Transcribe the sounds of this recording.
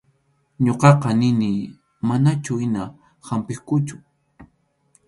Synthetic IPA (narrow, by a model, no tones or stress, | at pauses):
ɲoqɑqɑnɪnɪ | manat͡ʃʊɪna | hampɪχkʊt͡ʃʊ̥